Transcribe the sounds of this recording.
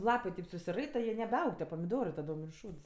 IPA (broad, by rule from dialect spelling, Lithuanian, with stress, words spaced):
ˈlˠɑːpɜ kɐɪp sʊsʲɪˈrɐɪtɐ jiɛ nʲɛbʲɛˈɐʊk tʲiɛ pɐmʲɪˈdoːrɜ tɐˈdoːm ɪr ˈʃuːts